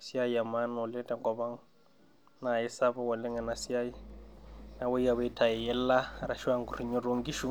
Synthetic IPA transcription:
si˦a˦i˨a˨ma˦nʊ˨lɛ˦ta˦ŋ˦kʼɔ˨βa˦ŋ̩˦ | na˨ɪ˦sa˦βɔ˦wɔ˨lɛ˦ŋɛ˨na˨si˦a˦i˦ | na˦bʊ˦i˦a˨βi˦tʰa˨ɛ˨jɛ˦l̩˦la˦ɾa˨ʃi˦wa˦ŋ̩kuri˨ɲɔ˦ro˦ŋ̩˦ɡi˦ʃu˦

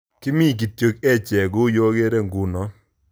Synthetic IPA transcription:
kɪ˦mi˦˨k̬i˨tjo˨kɛ˦˨t͡ʃɛ˨ɡʊ˦jo˦ɡe˦ɾe˦˨ŋɡu˨nɔ˨˦

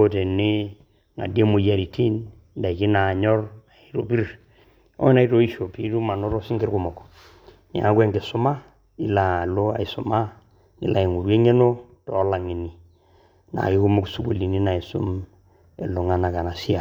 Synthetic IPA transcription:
o˦te˨nɪ˦ | ŋa̰˨de˦mo˨ja˨ɾi˨tʰi˦n | nda˨i˨kɪ˦na˨ɲɔ˦ra˨i˦to̰˨pi˦r | ɔ̰˦na˨˦i˦to˦i˦ʃo˨pi˦tu˦ma˨no˦ɾɔ˦sɪ˦ŋɡɪ˦ɾkʊ˦mɔ˨k | nḛ˨a˦kwe˦ŋɡɪ˨sʊ˦ma˦ | ɪ˦la˨lo˦a̰˨i˨sʊ˨ma˦ | nɪ̰˨la˨i˨ŋu˨ɾwe˦ŋe˦no˦ | tɔː˨˦la˨ŋi˨ni˨ | na̰˨kɪ˦kʊ˦mo˦ksu˦ku˨li˨ni˦na˨i˨sʊ̰˦m | e˨lʊ˨ŋa˦na˨ka˨na˨si˦a˨

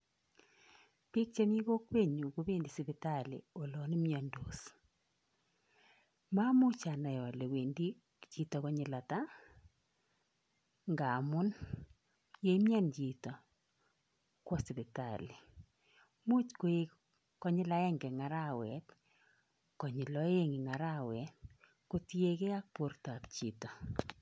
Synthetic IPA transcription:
pi˦k̚t͡ʃe˦mi˦ɣo˦kwe˦˨ɲu˨ko˦be˦˨ndi˨si˨bi˨ta˦˨lḭ˨o˨lɔ˨ni˦mja˨ndo˨s | ma˦mʊ˦t͡ʃa˨na˨jɔ˨le˨we˨ndi˦ | t͡ʃi˦tɔ˨kɔ˦ɲɪ˨la˨ta˦ | ŋɡa˨mʊ˦n | je˦mja˦nd͡ʒi˨tɔ˨ | kwɔ˦sɪ˨ðɪ˨ta˨li˨ | mu˦t͡ʃko˦e˦ | kɔ˦ɲɪ˦la˦ɛ˦ŋɡɛ˨ŋa˨ɾa˦wɛt | kɔ˨ɲɪ˨lɔ˦e˦ŋɪ˨ŋa˨ɾa˦wɛ˨t | ko˦ti˦e˦ke˦a˦k̚po˦ɾta˨pt͡ʃi˨tɔ˨

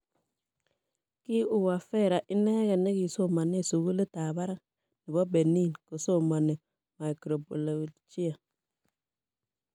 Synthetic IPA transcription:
ki˦u˦wa˨fɛ˦˨ɾa˨ʔi˦nɛ˦ɣɛ˨ne˦ɡi˨so˦˨ma˨ni˦˨su˨ɡu˦le˦ta˨ba˦ɾa˦ | ni˨bo˦be˨ni˦˨nko˨so˦˨ma˨ni˨ | ma˨jkɾo˨bo˨la˨t͡ʃi˦a˨

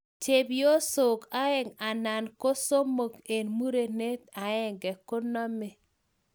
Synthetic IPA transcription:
te˨bjo˦so˨ka˨˦ɛ˦ŋa˨na˨nko˦so˦mo˨ke˨nmu˦ɾe˨ne˦t̪a˨ɛ˦ŋɡɛ˨ko˦nɔ˦me˨

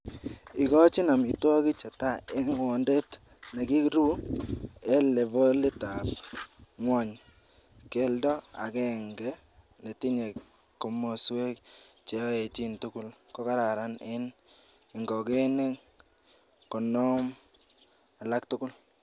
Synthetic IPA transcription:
i˨kɔ˦t͡ʃi˦na˨mi˨twɔ˦ki˦t͡ʃa˨ta˦e˦ŋwɔ˨nde˦t | ne˨ki˦kɾu˦ | e˦le˨vo˦lɪ˦ta˨p̚ŋwɔ˦ɲ | ke˦ldɔ˦a̰˨kɛ˨ŋɡɛ˦ | ne˨ti˦ɲe˨k | kːɔ˨mo˨swe˦k̚ | t͡ʃe˨˦e˨t͡ʃi˦ntʊ˦kʊ˦lkɔ˦ka˦ɾa˨ɾa˦nɪ˦n | ɪ˨ŋɡɔ˨ke˦ne˦ | kɔ˨nɔ˦m | a˨la˦k̚tʊ˦kʊ˦l

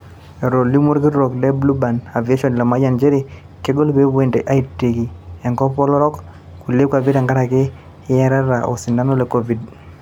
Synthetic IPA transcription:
ɛ˨ɾo˨li˦mo˦ɾki˦ɾɾo˨kdɛ˦blu˦ba˨na˨ve˦ʃɔ˨n˨la˨ma˦d͡ʒa˨nd͡ʒe˦ɾi˨ | ke˦ɡo˦lpe˦pwe˨nde˨ʔa˦i˦tːe˨ki˨ɛ˨ŋɡɔ˦pɔ˦lɔ˦ɾɔ˦k | ku˨le˦kwa˨vi˦ta˨ŋɡa˦ɾa˨kɪː˦ | ɛ˦ɾa˦ɾa˨ʔo̰˨sɪ˨nda˦nɔ˦le˨kɔ˦vi˨d

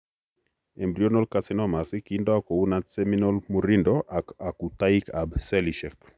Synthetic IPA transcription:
e˨mbɾio˦nɔ˦lkasinɔma˨si˦kindɔa˦ko˨u˦na˦sɛminɔ˦lmu˨ɾindɔʔaa˨ku˨ta˦ika˨bsɛ˦liʃɛ˨k

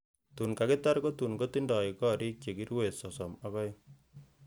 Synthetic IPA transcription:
tu˨nka˨kɪ˦ta˦ɾko˦tu˨nko˦ti˦ndɔ˨ɪkɔ˦ɾi˦k̚t͡ʃe˨ki˦ɾwe˨sɔ˨sɔ˨ma˦kɔ˦j

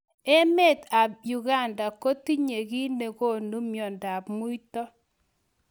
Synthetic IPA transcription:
e˦me˦˨t̪a˨ju˨ɡa˦˨nda˨ko˦ti˦ɲe˨ɡi˦ne˨ko˦˨nu˦mjɔ˨nda˨bmu˦i˦tɔ˦

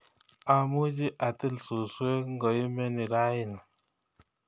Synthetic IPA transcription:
a˨mu˦d͡ʒi˦ʔa˨ti˦˨lsu˨swe˦ŋ̩˦ɡɔ˨i˦mɛ˦ni˨ɾa˦ji˦˨na˨

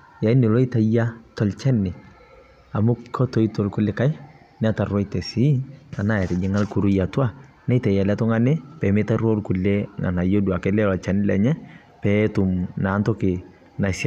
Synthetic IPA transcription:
ja˨i˦nɪ˨lɔ˦ɪ˦ta˨ja˦tɔ˨lt͡ʃɛ˦nːɪ˨ | a˨mʊ˦kʰɔ˦tɔ˨˦i˦to˨lkʊ˦lːe˦ka˦j | nɛ˦a˦ta˨rwɔ˦itɛ˨si˦a˨na˦ɛ˨tɛ˨d͡ʒɪ˦ŋa˦lku˨ɾu˦ja˨twa˦˨ | nɛ˦ta˨ja˨lɛ˦tɔ˦ŋa˦nɪ˦pɛ˨mɪ˦ta˦ɾo˦lkʊ˨lːe˦ŋa̰˨na˨jo˦du˨a˨kɛ˦lɛ˦lɔ˨t͡ʃɛ˦nɪ˦lɛ̰˨ɲɛ˦ | pɛ˨˦tʊ˨mna˨˦ntɔ˦kɪ˨ | na˨sa˦˨

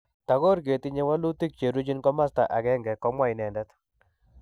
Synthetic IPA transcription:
ta˨ɣo˦ɾɡe˨ti˦ɲe˦wa˦lu˦ti˦k̚t͡ʃe˨ɾu˦t͡ʃi˦nkɔ˦ma˦sta˨ʔa˨kɛ˦ŋɡɛ˨kɔ˦mwa˦i˨nɛ˨nda˦t

